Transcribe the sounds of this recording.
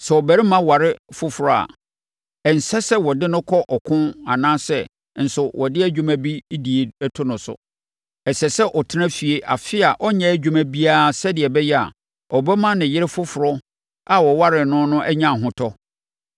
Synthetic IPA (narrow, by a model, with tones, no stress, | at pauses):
sɛ˨ɔ˨bæ˨ɾi˦mã˦wa˨ɾɪ˦fʊ˦fʊ˨ɾɔ˨a̰˨ | ɛ˨n̩˨sɛ˦sɛ˦wɔ˨dɪ˦nʊ̃˦kʰɔ˦ʔɔ˨kʰʊ̃˦na˨nãː˦sɛ˦˨ | n̩˨sʊ˨wʔɔ˨dɪ˦æ˦d͡ʑᶣu˦mæ̃˦bi˦di˨e˨˦tʰʊ˦nʊ̃˨sʊ̰˨ | ɛ˨sɛ˨sɛ˦ʔɔ˨tʰɪ˦nã˦fi˨e˦ʔa̰˨fɪ˦a˨ʔɔ˦ɲɛ̃˦æ˦˨d͡ʑᶣu˦mæ̃˦bi˦a˦sɛ˦dɪ˨ɛ˨bɛ˦jɛ˦a̰˨ | ɔ˨bɛ˦mã˦nɪ̃˨jɪ˦ɾɪ˦fʊ˦fʊ˨ɾɔ˦ | a˨wɔ˨wa˦ɾɪ˨nʊ̃˦nʊ̃˦ʔɛ˦ɲã˦˨ɦʊ̃˦tʰɔ˦